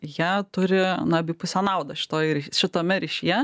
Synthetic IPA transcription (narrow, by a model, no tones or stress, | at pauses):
jiːt̪ʊɾʲɪnɐɐbʲɪpʊsʲɛnɐˑʊd̪ɐʃʲɪ̥t̪oːjɾʲɛʃʲɪt̪oːmʲɛɾʲɪʃʲijɛ